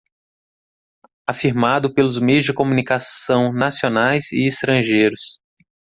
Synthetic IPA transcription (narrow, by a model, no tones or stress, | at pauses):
afiɾmad̪ʊpelʊzmejʊzd͡ʒɪkomũnikasɐ̃w̃nasionajzɪ̰ːst̪ɾɐ̃ʒejɾʊs